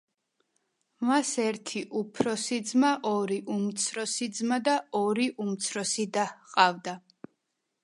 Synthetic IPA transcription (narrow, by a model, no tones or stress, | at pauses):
masɛɾt̪ʰiʔupʰɾɔsid̪zmaʔɔɾiʔumt̪sʰɾɔsid̪zmad̪aɔɾiʔumt̪sʰɾɔsid̪ahqʼavd̪a